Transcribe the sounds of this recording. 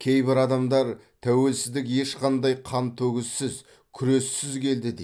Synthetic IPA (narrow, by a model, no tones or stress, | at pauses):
kʲʰe̞jbɪɾɑd̪ɑmd̪ɑɾ | t̪ʰæwe̞lsɪzd̪ɪkje̞ʃqʰɑnd̪ɑjqʰɑnt̪ʰɵɡʲɪzsɪz | kʲʰʏɾe̞sːɪzkʲʰe̞ld̪ɪd̪e